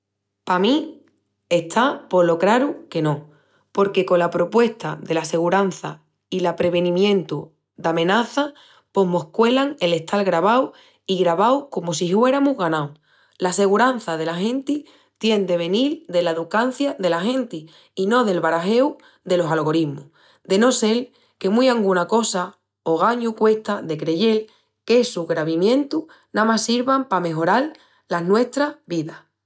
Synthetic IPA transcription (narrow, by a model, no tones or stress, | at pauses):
pamĩ | e̞ht̪ʰapo̞lo̞kɾaɾuke̞nõ̞ | po̞ɾke̞ko̞lapɾo̞pwe̞st̪aðe̞lase̞ɣ̞uɾan̟θa̰ | ilapɾe̞βe̞nĩmjẽ̞nt̪u | d̪amẽ̞naθa | po̞ɦmo̞hkwe̞laŋe̞le̞ht̪ʰalɣɾaβaw | iɣɾaβawko̞mos̬ihwe̞ɾamuɦɣanaw | lase̞ɣ̞uɾan̟θaðe̞laɦẽ̞nt̪i | t̪jend̪e̞β̞e̞nild̪e̞laeðukan̟θjaðe̞laxẽ̞nt̪iː | no̞ðe̞lβaɾaɦe̞w | d̪e̞lo̞salɣo̞ɾimu | d̪e̞no̞se̞l | ke̞mujaŋɡunako̞sa | oɣ̞aɲukwe̞ht̪aðe̞kɾe̞ʝe̞l | ke̞suɣɾaβimjẽ̞nt̪u | nãmasiɾβampame̞ɦo̞ɾal | lanwe̞ht̪ɾaβiða